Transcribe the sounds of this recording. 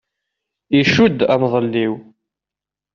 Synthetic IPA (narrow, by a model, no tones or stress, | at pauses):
iʃud̪æmðˤəlːiw